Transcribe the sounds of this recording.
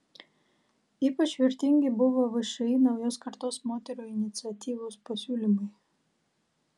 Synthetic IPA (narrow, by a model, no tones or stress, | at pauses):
iːpɐt͡ʃʋʲɪɾʲt̪ʲɪŋʲɡʲɪbʊʋoːʋɐʃɐjnɐʊjoːskɐɾt̪oːsmoːt̪ʲɛɾoːɪnʲɪt̪sʲɪɐt̪ʲiːʋoːspɐsʲuːlʲɪmɐɪ